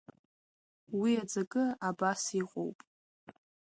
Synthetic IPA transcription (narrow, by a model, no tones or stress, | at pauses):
wiad͡zaɡʼɨabasiqʼo̰wpʼ